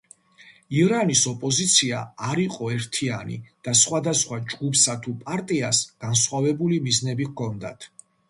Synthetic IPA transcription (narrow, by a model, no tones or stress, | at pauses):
iɾanisɔpʼɔzit̪sʰiaːɾiqʼɔɛɾt̪ʰianḭd̪̥asχwad̪asχwad͡ʒɡupʰsat̪ʰupʼaɾt̪ʼiasɡ̥ansχwavɛbulimiznɛbikʰɔnd̪a̰t̪ʰ